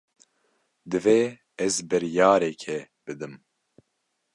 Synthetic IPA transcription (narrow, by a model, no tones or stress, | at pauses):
d̪ɨveː | ɛzbɨɾjaːɾɛkʰɛ | b̥ɨd̪ɨm